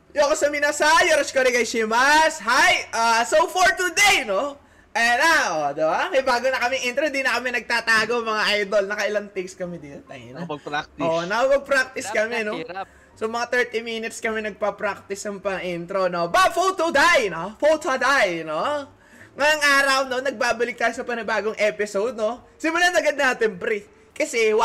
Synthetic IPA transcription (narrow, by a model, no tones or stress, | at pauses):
joɐkosɐminasɐjoɾɐskoɾiɡɐjʃimɐshajʔasowfoɹt̪ud̪ejno | ʔɛnaʔod̪ɛbakɐjbaːɡonɐkɐmɛŋʔint̪ɾod̪inɐkɐmɛnɐɡ̚t̪aːt̪aːɡomɐŋaʔajd̪o̞lnɐkɐʔɪlɐŋt̪ikskɐmɛd̪inɐt̪a̰jnɐʔoːʔnɐkɐmɐɡ̚pɾak̚t̪ɪskɐmɛno | somɐŋat̪ɛɹt̪iminɪt̪skɐmɛnɐɡ̚pɐpɾak̚t̪ɪsɐŋpɐŋʔint̪ɾono̞bɐfot̪od̪ajnofowt̪od̪ajno | ŋɐjɐŋʔaːɾɐwno̞nɐɡ̚baːbɐlɪk̚t̪aːjosɐpɐnɪbaːɡoŋʔɛːpɪsowd̪̚no̞ | sɪmʊlanɐɡɐd̪̚naːt̪ɪnpɾi | kɐsɛw